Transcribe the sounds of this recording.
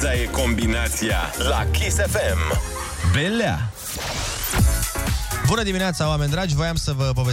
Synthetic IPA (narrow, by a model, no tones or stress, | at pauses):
aje̞ko̞mbinat̪sia̰lakisefem | belea̰ | bunəd̪imineat̪saoame̞nʲd̪ɾad͡ʒʲvo̞jamsəvəp̬o̞ve